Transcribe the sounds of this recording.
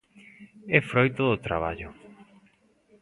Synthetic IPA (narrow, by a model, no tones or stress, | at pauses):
ɛfɾojt̪oðot̪ɾa̰βaʎʊ